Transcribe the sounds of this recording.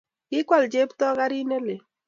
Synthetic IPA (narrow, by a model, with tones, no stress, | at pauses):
kɪ˦kwa˨ld͡ʒe˦ptɔ˦ka˦ɾi˦ne˦le˨